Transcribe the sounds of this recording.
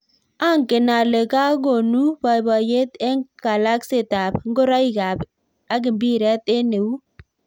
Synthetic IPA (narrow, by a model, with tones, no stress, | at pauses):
a˦˨ŋkɪ˨na˨le˨ka˦ɡo˨nu˦ba˨ba˨je˦t̪ɛ˦ŋɡ̥a˨la˦kse˨ta˨b̚ŋɡo˦ɾa˦i˦ɡa˨b | a˦ɡ̬ɪ˨mbi˦ɾɛ˦te˦ne˨wu˦